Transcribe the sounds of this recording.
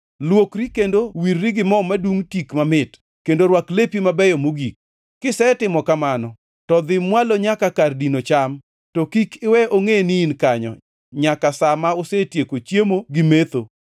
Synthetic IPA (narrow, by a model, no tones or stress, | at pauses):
lwokɾikendowirːiɡɪmɔmaduŋtikmamɪt | kendoɾwaklepimabɛjɔmoɡik̚ː | ɪsɛtɪmɔkamanɔ | tɔd̪ɪmːwaloɲakakardinot͡ʃam | tokikɪwɛʔoŋeninkaɲɔ̰ | ɲakasamaosetjekot͡ʃjemoɡɪmet̪o